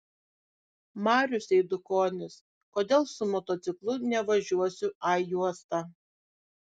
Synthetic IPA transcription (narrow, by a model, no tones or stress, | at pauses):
mɑːɾʲʊsʲɛɪd̪ʊkoːnʲɪs | koːd̪ʲeːlˠsʊmɔt̪ɔt̪sʲɪklˠʊnʲɛʋɐʒʲuɔsʲʊʔɑjuɔst̪ɑ